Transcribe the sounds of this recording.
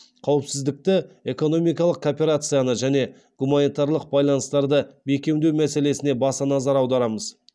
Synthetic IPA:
qʰɑwəpsɪzd̪ɪk̚t̪ɪe̞ko̞no̞mijkɑlˠəq̚kʰopʲe̞ɾat̪sɨjanəʒæne̞ | ɡ̥umanijt̪aɾlˠəq̚bɑjlˠɑnəst̪ɑɾd̪əbe̞kʲe̞mnd̪e̞wmæse̞le̞sɪne̞bɑsɑnɑzɑɾɑwd̪ɑɾɑməz

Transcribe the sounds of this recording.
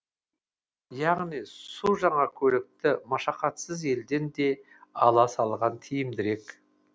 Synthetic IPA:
jɑʁnijsuʒɑɴɑkʲʰɵlɪk̚t̪ɪmɑʃɑqɑt̪səze̞ld̪e̞nd̪e̞ | ɑlˠɑsɑlˠʁɑnt̪ʰijɪmd̪ɪɾe̞k

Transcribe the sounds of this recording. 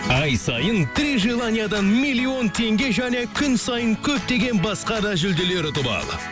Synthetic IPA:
ɑjsɑ̰jənt̪ɾiʒilˠanʲijad̪ɑnmilʲːio̞nt̪ʰe̞ŋɡʲe̞ʒæne̞kʲʰʏnsɑjəŋkʲʰɵp̚t̪e̞ɡʲe̞nbɑsqɑd̪ɑʒʏld̪ele̞ɾɪt̪ʰʊbɑ̰lˠə̰

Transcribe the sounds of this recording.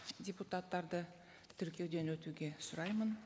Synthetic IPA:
dʲeput̪at̪ːɑɾd̪ə | t̪ʰʏɾkʲijed̪e̞nwɵt̪uɡʲe̞sʊɾɑjmən

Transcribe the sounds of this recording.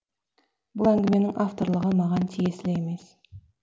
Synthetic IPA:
bʊlˠæŋɡʲɪme̞nɪŋɑft̪o̞ɾlˠəʁəmɑʁɑnt̪ʰije̞sɪleeme̞s

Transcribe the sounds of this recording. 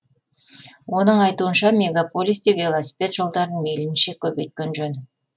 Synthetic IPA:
wo̞nəɴɑjt̪uənʃɑmʲe̞ɡapo̞lʲijsd̪evʲe̞lˠosʲi̥pʲe̞t̪ʒ̥o̞lˠd̪ɑɾənmelɪmnʃe̞kʲʰɵbe̞jt̪̚kʲenʒɵn

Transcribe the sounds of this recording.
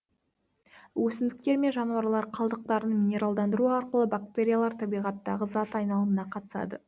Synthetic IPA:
wɵsɪnd̪ɪk̚t̪e̞ɾme̞nʒɑnuɑɾlˠɑɾqʰɑlˠd̪əq̚t̪ɑɾənmʲinʲe̞ɾalˠd̪ɑnd̪əɾuɑɾqəlˠəbak̚t̪e̞ɾʲijalˠɑɾt̪ʰɑbijʁɑt̪ːɑʁəzɑt̪ɑjnɑlˠəmənɑqʰɑt̪ə̥sɑ̰d̪ə̰

